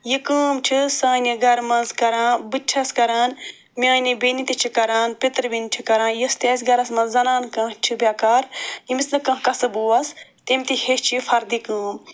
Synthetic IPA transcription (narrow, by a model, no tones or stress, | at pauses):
jikəːmt͡ʃʰisãːneɡɐɾmɐnzkɐɾãːbɨt͡ʃʰɐskɐɾaːn | mʲãːnebinit̪it͡ʃʰikɐɾaːnpit̪ɾbint͡ʃʰikɐɾãːnjist̪eːsɡɐɾɐsmɐ̃nzzɐnaːnkɐ̃t͡ʃʰibʲaːkaːɾimisnɨkɐ̃ːɦkɐsɨbuːɐst̪imʲt̪iheʃt͡ʃʰifɐɾd̪ikəːm